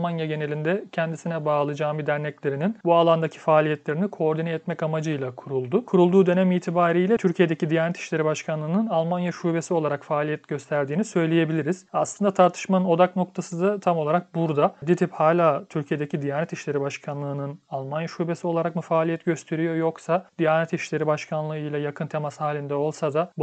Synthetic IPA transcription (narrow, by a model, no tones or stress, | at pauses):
manjaɟe̞ne̞lʲind̪ɛcʰɛnd̪isinɛbaːlˠɯd͡ʒaːmbid̪æɾnɛclʲe̞ɾininbualˠand̪acʰi̥faːlʲijɛt̪lʲe̞ɾinikʰo̞ːɾd̪inɛɛt̪mɛcamad͡ʒɯjlˠakʰuɾulˠd̪ʊkʰuɾulˠd̪uːd̪ø̞nɛmiːt̪ʰibaːɾijlʲɛt̪ʰyɾcʰijed̪ecid̪ijaːnʲɛt̪ʰi̥ʃlʲe̞ɾibaʃkʰanlˠɯːnɯnalˠmanjaʃube̞sio̞lˠaɾakfaːlʲijɛt̪ɟ̥ø̞st̪ʰæɾd̪iːnisø̞jlʲeje̞bilʲiɾiz̥aslˠɯnd̪at̪ʰaɾt̪ʰɯ̥ʃmanɯno̞d̪akno̞k̚t̪ʰasɯd̪at̪ʰamo̞lˠaɾak̚buɾd̪ad̪it̪ʰiphaːlʲaːt̪ʰyɾcʰije̞d̪ecʰid̪ijaːnɛt̪iʃlʲe̞ɾibaʃkʰanlˠɯːnɯnalˠmanjaʃuːbe̞sio̞lˠaɾakmufaːlʲijɛt̪ɟø̞st̪ʰe̞ɾijo̞jo̞ksad̪̥ijaːnɛt̪iʃlʲe̞ɾibaʃkʰanlˠɯɯjlʲˠajakʰɯnt̪ʰe̞mashaːlʲind̪ɛo̞lˠsad̪a